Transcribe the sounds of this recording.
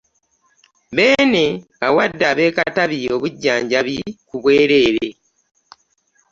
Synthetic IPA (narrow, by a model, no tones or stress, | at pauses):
βe̞ːne̞ | awadːaːβe̞ːkataβio̞βuɟːaːɲɟaβikuβwe̞ːɾe̞ːɾe̞